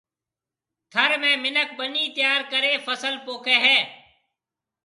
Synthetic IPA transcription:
t̪ʰəɾmẽːmɪnək̚ɓəniːt̪ɪjaːɾkəɾeːfəsəlpoːkʰeːɦɛː

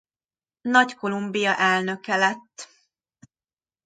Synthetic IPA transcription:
nɒcko̞lumbijɒʔɛlnø̞kɛlɛt̪ː

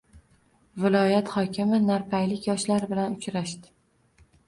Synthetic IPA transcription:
vɪlˠɒjat̪hɒkʲʰɪmɪnaɾpʰajlɪkʲjɒʃlaɾbɪlanʊt͡ʃɾaʃd̪ɪ̥

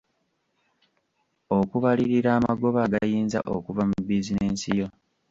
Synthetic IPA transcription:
okuβaliɾiɾaːmaɡo̞βaɡajiːnza̰ʔokuvamubizineːnsijo̞

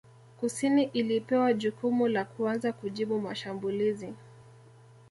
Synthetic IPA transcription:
kusiniʔilipɛwaʄukumulakuanzakuʄiɓumaʃambulizi

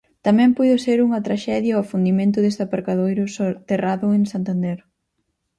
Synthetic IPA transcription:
t̪amɛ̃mpujðʊseɾuŋɐt̪ɾaʃɛðjɐofund̪imẽnt̪ʊðest̪apaɾkaðojɾʊsot̪eraðʊeŋsant̪and̪ɛɾ

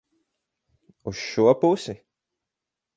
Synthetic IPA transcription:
usʃuɔpusi

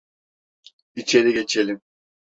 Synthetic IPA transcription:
it͡ʃʰeɾiɡe̞t͡ʃʰelʲim

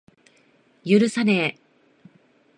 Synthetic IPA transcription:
jɯɾɯ̟sane

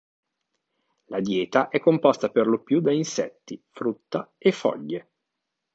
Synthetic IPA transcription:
lad̪jɛːt̪aʔɛkːompɔst̪aperlopjud̪ainsɛ̰t̪ːifɾut̪ːaefːɔ̰ʎːe

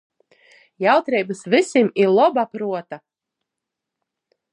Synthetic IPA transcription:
jawt̪ɾijbɨsvisimiɾlˠɔbapɾuɔt̪a

